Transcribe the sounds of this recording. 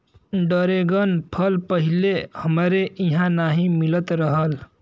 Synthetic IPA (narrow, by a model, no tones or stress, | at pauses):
ɖəɾeɡənpʰəlpəɦilehəmɾeʔiɦãnaɦĩmilət̪ɾəɦəl